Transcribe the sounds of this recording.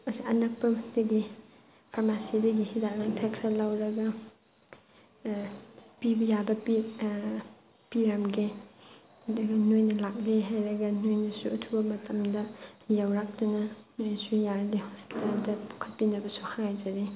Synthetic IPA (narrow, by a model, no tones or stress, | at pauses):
ɐsiɐnɐk̚pɐdɐɡi | pʰaɾmasidɐɡihidalaŋtʰakʰɾɐlɐwɾɐɡɐ | pibɐjabɐp | piɾamɡe | dɐɡɐnojnɐlak̚liɦajɾɐɡɐnojnɐsuɐtʰubɐmɐtʰɐmdɐjawɾak̚dunɐnojsujaɾlihɔspi̥taldɐpu̥kʰɐt̚pinɐbɐsuhaŋajd͡ʒaɾi